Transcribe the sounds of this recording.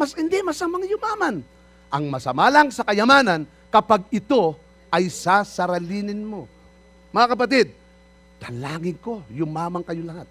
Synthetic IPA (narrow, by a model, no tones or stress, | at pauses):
mɐsɪnd̪ɪmɐsɐmaŋajʊmaːman | ʔɐŋmɐsɐmalaŋsɐkɐjɐmaːnɐn | kɐpaɡ̚ɪt̪o̞ | ʔɐjsasɐɾɐliːnɪnmo̞ | mɐŋakɐp̬ɐt̪ɪd̪̚ | t̪ɐlaːŋɪŋko̞jʊmaːmɐŋkɐjolɐhat̪̚